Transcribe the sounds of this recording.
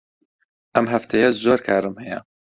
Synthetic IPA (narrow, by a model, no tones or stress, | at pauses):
ʔɐmɦɐft̪ʰɛjɐzoːɾkʰaːɾɨmhɛjɐ̰